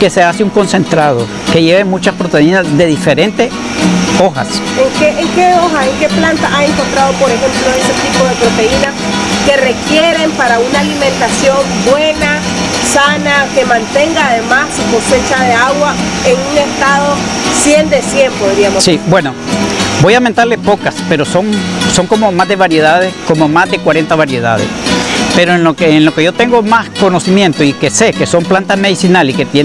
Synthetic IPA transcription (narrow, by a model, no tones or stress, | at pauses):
ke̞seasiuŋko̞nsẽ̞nt̪ɾaðo̰ | ke̞ʝeβemut͡ʃaspɾot̪einazðe̞ðifeɾe̞nt̪es | oxa̰seŋkeʔeŋke̞o̞xaseŋke̞plant̪aʔae̞ŋko̞nt̪ɾað̞o̞po̞ɾe̞xe̞mplo̞eset̪ipoðe̞pɾo̞t̪e̞inaske̞re̞kje̞ɾe̞mpaɾaunaːliment̪asjo̞mbwe̞na | sanake̞mãnt̪e̞ŋɡaːðe̞masiposet͡ʃaðe̞aɣwa | eŋuŋest̪aðosje̞nd̪esje̞mpoðɾiamosibwenobojament̪aɾlespokaspeɾosoŋsoŋkomomazd̪e̞βaɾje̞ð̞að̞eskomomazd̪ekwaɾe̞nt̪aβaɾjeð̞a̰ðḛspeɾoenlokeːnloke̞ʝot̪eŋɡomasko̞nosimjent̪oikesekeso̞mplant̪azmeð̞isinaliket̪je